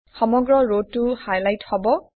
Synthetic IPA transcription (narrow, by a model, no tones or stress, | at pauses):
xɔmɔɡɹɔɹod̚tːuhajlajthɔbɔ